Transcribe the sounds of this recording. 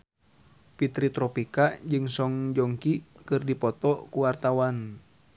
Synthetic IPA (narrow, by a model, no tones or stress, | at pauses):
pit̪ɾit̪ɾɔpikaʔd͡ʒɨŋsɔŋd͡ʒɔŋkikɨrdipɔt̪ɔkuwart̪awan